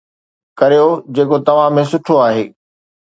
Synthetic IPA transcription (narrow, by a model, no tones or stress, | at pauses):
kɐɾijod͡ʑeːkot̪ɐʋ̤ãmẽsʊʈʰoaːɦeː